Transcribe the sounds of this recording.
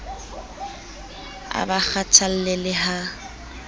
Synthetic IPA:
a̰bak͡xʰatʰal̩lɪlɪɦa

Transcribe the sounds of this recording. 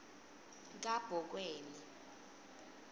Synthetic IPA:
k̬ʼab̥ʱɔk̬weːni

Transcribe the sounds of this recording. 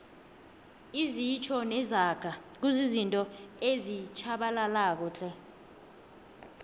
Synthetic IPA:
izit͡ʃʰɔnɛzaɡ̥ʱak̬uzizintʼɔezit͡ʃʰaɓalalaːk̬ɔt͡ɬʼɛ

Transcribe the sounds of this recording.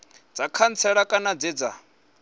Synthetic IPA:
d͡zakʰant͡sʰɛɺakʼanad͡zid͡za

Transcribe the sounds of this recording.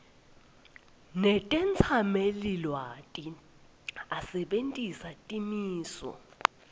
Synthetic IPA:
nɛtʼɛnt͡sʰamelilwatʼi | asɛɓentʼisatʼimiːsɔ̰

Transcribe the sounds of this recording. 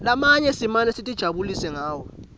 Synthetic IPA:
lamaɲɛsimanɛsitʼid̥ʒ̥ʱaɓulisɛŋaːwɔ

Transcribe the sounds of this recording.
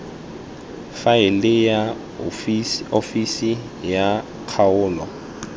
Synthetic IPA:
faɪlɪja | ofisi | ja | kʰaʊːlɔ

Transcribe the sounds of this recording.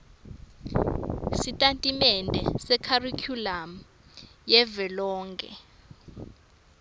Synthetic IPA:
sitʼantʼimɛndʱɛ̰sɛkʰarikʰulam̩ | jɛvɛlɔːŋkʼɛ̰

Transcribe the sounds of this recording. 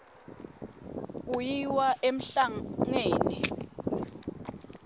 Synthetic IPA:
k̬ujiwaʔem̩ɬaŋeːni

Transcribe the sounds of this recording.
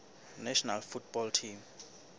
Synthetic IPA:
nɛʃɔnalfutʰb̥ɔltʰim

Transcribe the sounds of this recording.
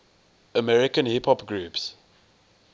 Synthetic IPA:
əmɛɹɪkə̃nhipʰhɔpɡɹuːps

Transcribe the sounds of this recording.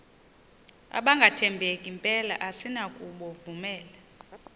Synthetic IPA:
a̰ɓaŋɡʱatʰɛmbʱekʼimpʼɛla̰ʔasinakʼuɓɔvumɛːla

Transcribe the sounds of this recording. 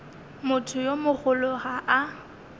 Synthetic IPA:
mʊtʰʊjomʊχʊlʊɣaʔa

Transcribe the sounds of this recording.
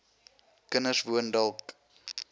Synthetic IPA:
kənəsvuəndəlˠk

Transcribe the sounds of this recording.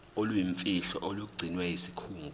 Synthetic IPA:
olwjiɱfiɬɔ̰ʔoluk̬uɡ͡ǀʱinwɛjisi̥kʰuːŋɡʱu

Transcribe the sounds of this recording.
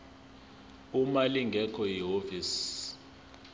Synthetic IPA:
umaliŋɡʱɛkʰɔjiɦovis

